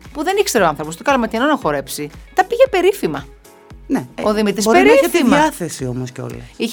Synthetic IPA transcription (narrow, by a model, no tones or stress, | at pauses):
puðe̞niçst̪eɾoɐnθɾopost̪okɐlɐmet̪inonɐxo̞ɾe̞psit̪ɐpiʝepe̞ɾifimɐ | neoðimit̪isoɾpeɾift̪imɐɐθesio̞mosceo̞̰lɐ̰i